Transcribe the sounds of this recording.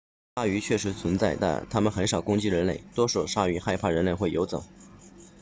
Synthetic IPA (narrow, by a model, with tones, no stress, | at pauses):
a˥˩y˧˥t͡ɕʰɥɛ˥˩ʂ̬ɻ̩˧˥t͡sʰwə˧˥nt͡sa˥˧ɪt̪a̰˥˧nt̪ʰa˥mə˨nxə˧˥nʂɑ˨˩ʊkʊ˥ŋt͡ɕi˥ɻə˧˥nle˥˩ɪt̪wɔ˥ʂo˨˩ʊʂa˥y˧˥xa˥˧ɪpʰa˥˩ɻə˧˥nle˥˧ɪxwe˥˩ɪjo˧˥ʊt͡sɤ̰˨˩˦ŋ